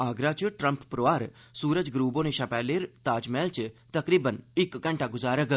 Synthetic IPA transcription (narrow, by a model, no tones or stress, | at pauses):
aːɡɾat͡ʃʈɾəmppɾoʋaːɾ | suːɾəd͡ʒɡɾuːbõneʃapɛːleːɾt̪aːd͡ʒmeːlt͡ʃt̪ɐkɾiːbənɪkɡə̃ɳʈaɡʊzaːɾək